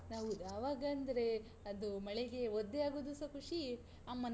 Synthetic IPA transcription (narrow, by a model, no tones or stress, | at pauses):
naːʋud̪aːʋaːɡɐːnd̪ɐɾe̞ | ɐd̪umɐɭeɡe̞od̪ːeaːɡoːd̪usɐkʰuʂi | amːɐn